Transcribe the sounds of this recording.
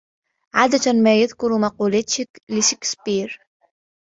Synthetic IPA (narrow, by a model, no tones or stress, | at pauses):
ʕaːd̪at̪amaːjaðkʊɾmɑquːlat̪ɪlɪʃɪkspiːɾ